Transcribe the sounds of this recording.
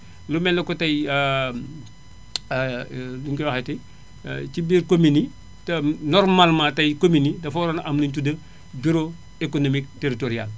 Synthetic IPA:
lumɛlːɐkɔtɐj | luŋkɔwaxɐti | t͡ʃibiːɾkomini | tɐnɔrmalmatɐjkominidɐfɔɾɐnʔɐmlintudɐ | biɾo | ekonomik̚teɾitoɾial

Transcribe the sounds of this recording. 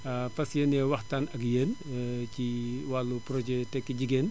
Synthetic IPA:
ɐfɐsjenɛːwɐxtaːnɐkjeːnciwalːupɾɔd͡ʒɛtɛkːiɟiɡeːn

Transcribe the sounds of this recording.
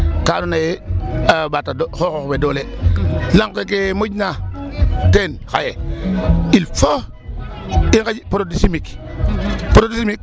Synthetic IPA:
kaːnunajeabatadxoxoxbedoːlelaŋkekemoɟna | tenxa̰je | ilfo | iŋkad͡ʒpoɾodisimik | poɾodisimik̚

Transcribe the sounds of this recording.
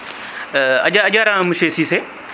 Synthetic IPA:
ɐ̰ʄaɐʄaːɾãmʃeːsiːse

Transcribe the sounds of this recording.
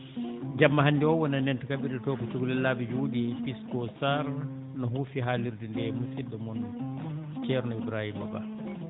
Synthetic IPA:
d͡ʒamːaɦanːdiɔwɔnanɛntukabiɾɛtɔːkɔt͡ʃuɡulɛlːabid͡ʒuudipiskɔsaɾ | nɔɦufiɦaliɾdundɛmusidɔmɔnːɔt͡ʃɛɾnɔibɾahimaba̰

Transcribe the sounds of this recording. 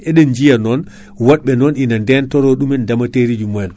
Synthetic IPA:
ɛɗɛnd͡ʒijanɔn | waɗɓɛnɔnʔinandɛntɔɾɔɗumɛndamateɾid͡ʒumɔɛn

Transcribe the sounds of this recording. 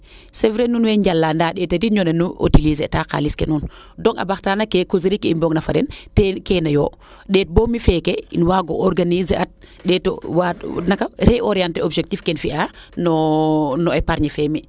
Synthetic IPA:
sɛvɾenunwɛɲd͡ʒalːaːndaɗɛtediɲɔnɛnuʔo̰tilizɛtaka̰liskɛ̰nuːn | dɔŋa̰baxtanakɛkoziɾikːimbɔŋnafaɾɛntɛkɛnajɔː | ɗɛːt̚bomifɛkɛinwaɡɔʔɔɾɡanizat̚ɗɛtɔ̰wanakaɾɛʔɔɾijantɛobʒɛk̚tifkɛnfianɔnɔɛpaɾɲɛfɛmi

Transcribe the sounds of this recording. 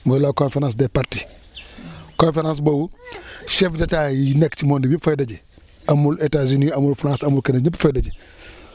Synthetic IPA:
mujloːkõnfeɾãns̬depaɾti | kõnfeɾãːns̬bowuʃɛfdataːjinekt͡ʃimondibifajdaɟi | ɐmuletaziniɐmulfɾãːsɐmulkeneɲipːfajdaɟi

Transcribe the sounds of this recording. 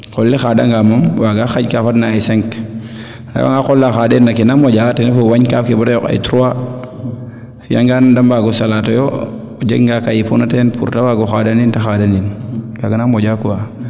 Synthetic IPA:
kɔlːixada̰ŋɡamomwaɡaxaɟkafatnaːjsɛŋk | na̰wa̰ŋɡakɔlːaxadenːakinamɔɟatinefowaɲkafkibatajɔka̰jtɾuwa | fja̰ŋɡandambaɡɔsalatɔjo | d͡ʒeɡŋɡakajipunatɛnpʰṵɾtawaɡoxadanintaxadaninɡaɡanamɔɟakuwa

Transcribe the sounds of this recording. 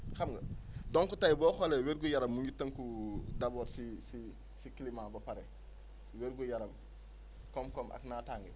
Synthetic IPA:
xamɡɐdoŋkutajibɔːxoleweɾɡujaɾɐmːmuɲɡitːɐŋkudaboːɾsisi | sikilimabɐpaɾe | weɾɡujaɾɐm | komkomʔa̰knataŋɡe

